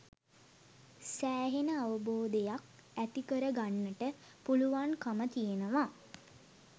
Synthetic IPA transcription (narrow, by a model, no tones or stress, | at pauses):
sæːɦenəaʋəboːd̪ejak̚ | æt̪ikəɾəɡanːəʈə | puluʋankamət̪ijenəʋa